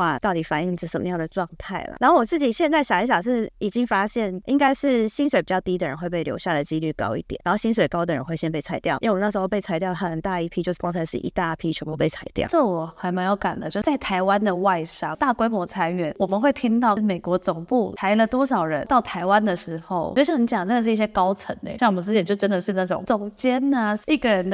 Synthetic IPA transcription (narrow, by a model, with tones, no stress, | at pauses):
wa˥˧t̪ɑ˥˩ʊt̪i˨˥fa˨˩ni˥˩ŋ̩˨˩˥ʂə̰˨˩mə̰˦jɑ˥˩ŋd̪ə˩ʈ͡ʂwɑ˥˧ŋt̪ʰa˥˩ɪlə̰˩na˧˥nxo˥˩wɔ˨˩t͡sɹ̩˥˩t͡ɕi˨˩ɕjɛ˥˧nt͡sa˥˩ɪɕjɑ˨˩ʊi˥˩ɕjɑ˨˩ʂɻ̩˥˩i˨˩t͡ɕi˦˥ŋfa˥ɕjɛ˥˩nʔḭ˧˥ŋka˥ɪʂɻ̩˥˩ɕi˥nswe˨˧ɪpi˨˩t͡ɕjɑ˥˩ʊt̪i˥d̪ə˨ɻə˧˦nxwe˥˧ɪp̬e˥˩ɪljo̰˧˥ʊɕja˥˩d̪ə˩t͡ɕi˦˥ly˥˩kɑ̰˥ʊḭ˥˩t̪jɛ̰˨˩˨a˧nxo˥˩ʊɕi˥nswe˨˩ɪkɑ˥ʊd̪ə˨ɻə̰˧˦nxwe˥˩ɪɕjɛ˥npe˥˩a˧˥ɪt̪jɑ˥˩ʊʔna˥˩ʂ̩˧xo˥˧pe˥˩ɪt͡sʰa˧˥ɪjɑ˥˩ʊxə˨˩nt̪a˥˧i˥˩pʰi˥jo˥˧ʊʂ̩˥˩kwɑ˥ŋt͡sʰa˧ɪʂɻ̩˥˧˩ʔḭ˧˥t̪a˥pʰi˥t͡ɕʰɥɔ˧˩ŋpu˧pe˥˩ɪt͡sʰa˧˥ɪt̪jɑ̰˥˩˨ʈ͡ʂə˥˩wɔ˨˩xa˧˥ɪma˧˥ŋjo˧˩ʊka̰˨˩nd̪ə˦t͡ɕjo˥˧ʊ˩˥t͡sa˥˩ɪt̪ʰa˧˥ɪwa˦nd̪ə˨wa˥˧ɪʂɑ˥ŋt̪a˥˩kwe˥ɪmwɔ˧˥t͡sʰa˧˥ɪɥɛ˨˩˦nwɔ˨˩mə˦nxwe˥˩ɪt̪ʰi˥ŋt̪ɑ˥˩ʊme˨˩ɪkwɔ˧˥t͡sʊ˨˩ŋpu˥˩a˧˥ɪlə˨t̪wɔ˥ʂɑ˨˩ʊɻə˧˦nt̪ɑ˥˩ʊt̪ʰa˧˥ɪwa˦˥nd̪ə˨ʂɻ̩˧˥xo˥˧ʊo˧˥ɕi˥˩i˧˥t͡ɕjɑ˨˩ŋʈ͡ʂə˥ndə˨ʂɻ̩˥˧i˥˩ɕjɛ˥kɑ˥ʊt͡sʰə̰˧˦nɛ̰˧˦jwə˦t͡sɹ̩˥t͡ɕʰɛ˨˩nt͡ɕjo˥˩ʊʈ͡ʂə˥nd̪ə˨ʂɻ̩˥˧na˥˩ʈ͡ʂʊ̰˨˩ŋt͡sʊ˨˩ŋt͡ɕjɛ˥na˧˥i˥˩ɡə˨˩ɻə˧˥nd̪